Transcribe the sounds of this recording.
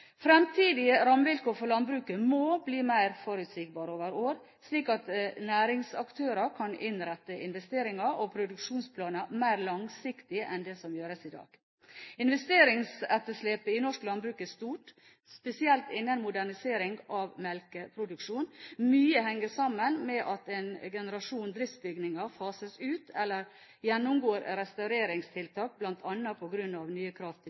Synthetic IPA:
fɾɛmt̪ʰiːd̪ɪəɾɑmʋɪlkʰoːfɔlɑnbɾʉːkəmoːbliːmæɪɾfɔɾʉt̪sɪːk̚bɑːɾoːʋəɾoːɾ | sliːkɑt̪næːɾɪŋsɑkt̪ʰøːɾəkʰɑnɪnɾɛt̪ːəɪnʋɛst̪eːɾɪŋɑɔpʰɾʊd̪ʉkʂuːnspʰlɑːnəmæɪɾlɑŋsɪkt̪ɪʔɛnd̪ɛsɔmjøːɾəsɪd̪ɑ̰ːɡ̥ | ɪnʋɛst̪eːɾɪŋsɛt̪ːəʂleːpəɪnɔʂklɑnbɾʉːkɛst̪uːʈ | spɛsɪɛlt̪ɪnːənmʊd̪æɳɪseːɾɪŋɡɑʋmɛlkəpʰɾʊd̪ʉkʂuːnmyːəhɛŋːəsɑmːənmɛʔɑt̪ɛɪnɡɛnəɾɑʂuːnd̪ɾɪft̪bʏɡnɪŋɑfɑːsəsʉːt̪ʰɛlːəɾ | jɛnːʊmɡoːɾɾɛst̪ɑʉɾeːɾɪŋst̪ʰɪlt̪ʰɑːk̚blɑnt̪ʰɑnːɑpʰɔɡɾʉnːɑʋnyːəkʰɾɑːft̪ʰɪ

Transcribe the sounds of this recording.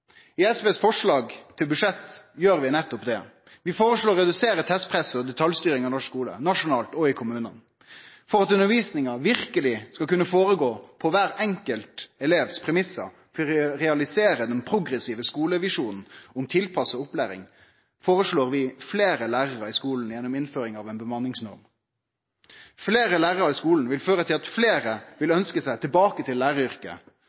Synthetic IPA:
ɪɛsʋeːsfɔʂɭɑːɡt̪ʰɪlbʉʂɛt̪ːjøːɾʋɪnɛt̪ːɔpd̪ɛ | ʋɪfoːɾəʂloːɾːɛd̪ʉseːɾət̪ʰɛst̪̚pʰɾɛsəɔd̪ɛt̪ʰɑljst̪yːɾɪŋɑnɔʂkuːlə̰nɑʂʊnɑːlt̪ɔɪkʰʊmʉːnən | fɔɾɑt̪ʉnːəɾʋiːsnɪŋɑʋɪɾkəlɪskɑkʉnːəfoːɾəɡoːpʰɔʋæɾɛŋkəlt̪ɛleːʋspʰɾɛmɪsə̰ | fɔʁɛɑlɪseːɾəd̪ɛnpʰɾʊɡɾɛsiːʋəskuːləʋɪʂuːnn̩ɔmt̪ʰɪlpʰɑsɔʊplæːɾɪ̰ŋ | foːʁəʂloːʁʋɪfleːɾəlæːʁəʁəɪskuːln̩jɛnːɔmɪnføːɾɪŋɑʋɛnbəmɑnːɪŋsnɔ̰ɾm | fleːɾəlæːʁəʁəʁɪskuːln̩ʋɪlføːʁət̪ʰɪlɑt̪fleːɾəʋɪlœnskəsæɪt̪ʰɪlbɑːkət̪ʰɪlːæːʁəʏɾkə̰

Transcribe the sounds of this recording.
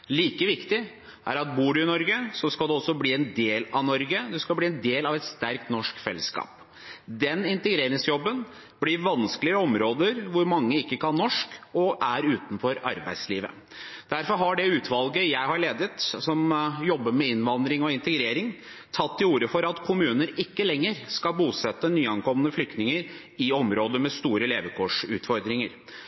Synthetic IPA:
liːkəʋɪkt̪ɪ | ʔæ̰ɾɑt̪̚buːɖʉɪnɔɾɡəsɔskɑld̪ɛɔsːɔbliːɛnd̪eːlɑʋnɔɾɡəd̪ɛskɑbliːɛnd̪eːlɑʋɛt̪st̪æɾk̚t̪nɔʂkfɛ̰lːəskɑ̰ːp | d̪ɛnɪnt̪əɡɾeːɾɪŋsjɔbːən | b̥lɪɾʋɑnskəlɪəɔmɾoːd̪əɾʋʊɾmɑŋːəɪkːəkʰɑnːɔʂkɔʔæɾʉːt̪n̩fɔɾɑ̰ɾbæ̰ɪd̪slḭːʋə̰ | d̪̥æɾfɔɾɦɑɖɛʉːt̪ʰʋɑlɡəjæɪhɑɾɭeːd̪ət̪sɔmjɔbːəɾmɛɪnʋɑnd̪ɾɪŋɔɪnt̪əɡɾeːɾɪŋ | t̪ʰɑt̪ʰːɪuːɾəfɔɾɑt̪kʰʊmʉːnəɾɪkːəlɛŋːəɾskɑlbuːsɛt̪ːənyːɑnkʰɔmːənəflʏk̚t̪nɪŋəɾ | ɪɔmɾoːd̪əmɛst̪uːɾəleːʋəkʰoːʂʉːt̪fɔɾd̪ɾɪŋəɾ

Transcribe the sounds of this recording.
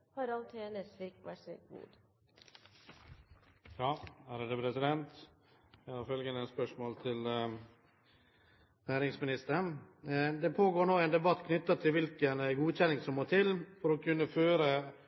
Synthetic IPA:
hɑɾɑnt̪ʰeːnəsliːkʋæsekbṵːd̪̥ | jɑːæːɾd̪ɛpʰɾɛsɪd̪ɛnt̪ | jæhɑɾfœlɡənəænspœʂmoːlt̪ʰɪl | næːɾɪŋsmɪnɪst̪əəɳd̪ɛpʰoːɡoːɳoːɛːnd̪ɛbɑt̪ːkʰnʏt̪ːɑt̪ʰɪlʋɪlkənɡuːçɛnɪŋsɔmːoːt̪ʰɪlfɔɾɔkʰʉnːəføːɾə

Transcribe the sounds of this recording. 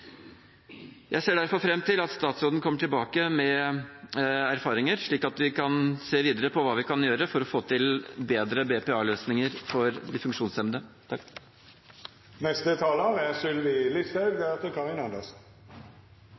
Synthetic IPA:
jʔæɪseːɖæɾfɔɾfɾɛmːt̪ʰɪlɑt̪st̪ɑːt̪soːd̪n̩kʰɔmːəʈʰɪlbɑːkəmɛ | æɾfɑːɾɪŋəɾʂɭiːkɑt̪ʋɪkʰɑnseːʋiːd̪əɾəpʰɔʋɑːʋɪkʰɑnjøːɾəfɔɾɔfoːt̪ʰɪlbeːd̪ɾəbɛpɛɑːløːsnɪŋəɾfɔɾd̪ɪfʉŋkʂuːnsɛmd̪ə | nɛst̪ət̪ʰɑːləɑʋɛsʉlʋɪlɪsəɡ̚d̪ɛɑt̪əkʰɑɪnɑnd̪əs

